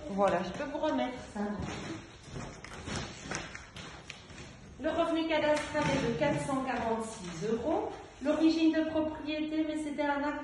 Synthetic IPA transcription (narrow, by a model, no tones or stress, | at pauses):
vwalaʒəpøvuʁəmɛt̪χsɛ̃d̪ | ləʁəvnekad̪ast̪χaɛd̪əkat̪χəsɑ̃kaʁɑ̃t̪sizøʁo | lɔʁiʒind̪əpχɔpχijet̪emɛset̪ɛɛ̃na